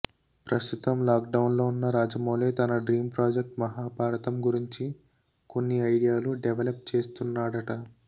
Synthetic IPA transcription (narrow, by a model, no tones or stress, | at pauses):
pɾɐst̪ut̪ɐmlaːkɖɐwnlo̞ːunːɐɾaːd͡ʒɐmoːleːt̪ɐnɐɖɾiːmpɾaːd͡ʒek̚ʈmɐɦaːbʱaːɾɐt̪ɐmɡuɾiɲt͡ʃi | ko̞nːiɐjɽijaːluɖɛʋɐlɐpt͡ʃe̞ːst̪unːaːɽɐʈɐ